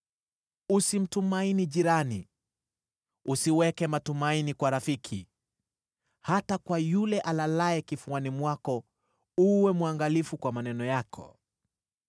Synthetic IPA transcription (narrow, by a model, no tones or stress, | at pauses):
usim̩tumainiʄiɾani | usiwɛkɛmatumainikwaɾafikʰi | hatakwajulɛʔalalaɛkifuanimwakɔ | uwɛmuaŋɡalifukwamanɛnɔjakʰɔ̰